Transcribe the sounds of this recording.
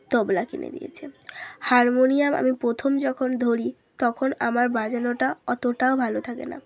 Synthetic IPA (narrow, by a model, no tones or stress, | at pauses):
t̪ɔblakenḛd̪ḭjḛt͡ɕʰehaɾmonijamʔa̰mipɾot̪ʰomd͡ʑɔkʰond̪ʱoɾi | t̪ɔkʰona̰maɾbad͡ʑanoʈaɔt̪oʈaobʱalot̪ʰakḛna̰